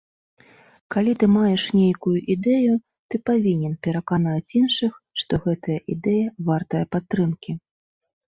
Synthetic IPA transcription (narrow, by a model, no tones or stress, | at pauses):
kalʲit̪ɨmajɛʂnʲejkujuʔid̪ɛju | t̪ɨpavʲinʲɛnpʲɛɾɐkanat͡sʲinʂɨx | ʂt̪ɔɣɛt̪ɐjɐʔid̪ɛjɐvart̪ɐjɐpat̪ːɾɨmkʲi